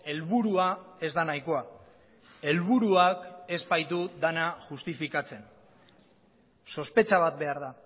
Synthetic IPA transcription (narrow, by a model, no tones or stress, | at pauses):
e̞lβuɾuae̞zd̪anajko̞a | e̞lβuɾuake̞zbajt̪ud̪anaʝust̪ifikat͡se̞n | so̞spe̞t͡ʃaβat̪̚be̞aɾða